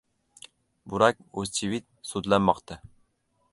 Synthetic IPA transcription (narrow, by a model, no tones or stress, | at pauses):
buɾɑk̚ʲuzt͡ʃʰivit̪̚sud̪lɛnmɑqt̪ʰɨ